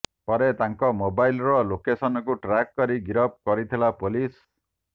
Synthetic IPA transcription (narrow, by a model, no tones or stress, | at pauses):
pɔɾet̪aŋkɔmobajlɾɔlokesɔnɔkuʈɾakkɔɾiɡiɾɔp̚kɔɾit̪ʰilapolis